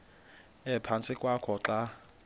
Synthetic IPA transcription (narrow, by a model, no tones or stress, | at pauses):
ɛpʰant͡sʼɪkʼwakʰɔǁa